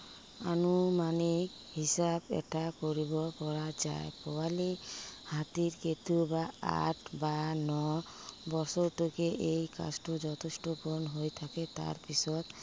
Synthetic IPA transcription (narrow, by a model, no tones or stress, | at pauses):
a̰numane | hisabɛ̰ʈakoɾibɔkɔɾad͡ʒa̰epɔwalehat̪iɾket̪ubaa̰ʈʰbanɔbɔsɔɾʈukeʔejka̰sʈɔd͡ʒɔt̪ʰesʈɔpɔnɦojt̪ʰaket̪a̰ɾpisɔt̪